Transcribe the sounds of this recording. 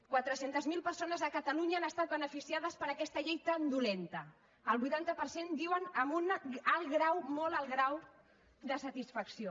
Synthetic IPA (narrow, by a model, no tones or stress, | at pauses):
kwat̪ɾəsent̪əzmilˠpərsonəzəkət̪əluɲaːnəst̪at̪̚bənəfisiað̞əspəɾəkɛst̪əʎejt̪ənd̪ulent̪ə | əlˠβujt̪ant̪əpəɾsend̪iwənəmbunəlˠɣɾawmoləlˠɣɾaw | d̪əsət̪isfəksio